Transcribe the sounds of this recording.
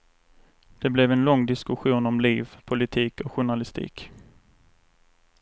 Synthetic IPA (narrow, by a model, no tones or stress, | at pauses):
d̪̥ɛblɛvɛnlɔŋːd̪ɪskɵɧuːnɔmliːvpʰʊlɪt̪ʰiːkɔɧʊɳalɪst̪ʰḭːk